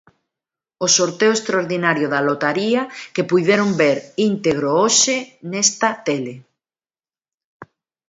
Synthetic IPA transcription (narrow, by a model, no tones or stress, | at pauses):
osoɾt̪eoest̪ɾaoɾðinaɾjoðalot̪aɾiɐkepujðeɾombeɾint̪eɣ̞ɾooʃenest̪ɐt̪ele